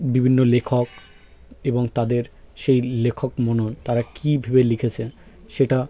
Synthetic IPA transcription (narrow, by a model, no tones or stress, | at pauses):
bibʱinːolekʰok | eboŋt̪ad̪eɾʃejlekʰokmonont̪aɾakibʱibelikʰet͡ɕʰe | ʃeʈa